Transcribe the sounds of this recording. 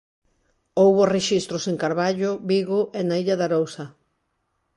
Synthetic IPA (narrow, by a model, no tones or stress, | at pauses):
owβʊreʃist̪ɾʊseŋkaɾβaʎʊbiɣʊʔɛnaiʎaðaɾowsɐ